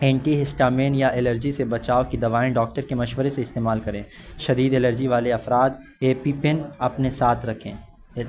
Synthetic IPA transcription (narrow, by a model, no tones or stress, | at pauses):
ɛ̃ːɳʈiɦɪsʈaːmẽːnjaʔɪləɾd͡ʒisebɐt͡ʃaːokid̪ɐʋaːẽɖɔːk̚ʈəɾkemɐʃʋəɾeseɪst̪eːmaːlkɐɾẽːʃɐd̪iːd̪eləɾd͡ʒiʋaːleɐfɾaːd̪ | eːpipɪnɐpnesaːt̪ʰɾɐkʰḛ̃ː